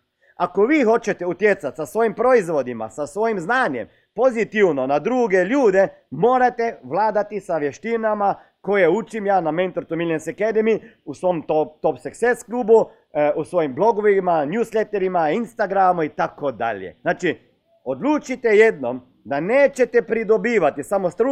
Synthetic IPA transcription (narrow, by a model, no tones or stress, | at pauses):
ako̞ʋiːxo̞t͡ʃet̪eut̪jet̪sat̪sasʋo̞jimpɾo̞izʋo̞d̪ima̰sasʋo̞jimznaːɲḛm | po̞zit̪iwno̞nad̪ɾuːɡeʎuːd̪e | mo̞ːɾat̪eʋlaːd̪at̪isaʋje̞ʃt̪inama | ko̞jeut͡ʃimjaːnament̪oɾt̪umilʲjenseked̪emi | usʋo̞mt̪ot̪opsekseskluːbu | usʋojimblˠo̞ɡoʋimanjuslet̪eɾimainst̪aɡɾamuit̪akod̪a̰ʎjḛznaːt͡ʃi | od̪lˠuːt͡ʃit̪ejed̪no̞m | d̪aneːt͡ʃet̪epɾid̪o̞biːʋat̪isamost̪ɾu